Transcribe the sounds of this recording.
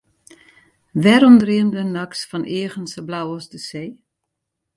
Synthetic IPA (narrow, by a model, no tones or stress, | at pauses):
ʋɛɾɔmdriəmdənaksfɔnʔeəɣənsəblawɔsdəseː